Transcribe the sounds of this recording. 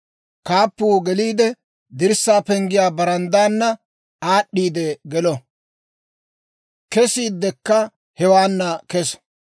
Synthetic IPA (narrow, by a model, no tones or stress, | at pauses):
kaːpːuːɡɛliːd̪ɛ | d̪ɪɾsːaːpɛŋɡɪjaːbɐɾɐnd̪aːnːɐ | aːɗːiːd̪ɛɡɛlɔ | kɛsiːd̪ːɛkːɐ | hɛwaːnːɐkɛs